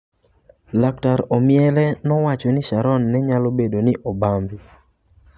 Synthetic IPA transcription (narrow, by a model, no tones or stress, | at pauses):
lak̚taɾɔmɪɛlɛnɔwat͡ʃɔnɪʃaɾɔnːɛɲalobedonɪʔɔbambi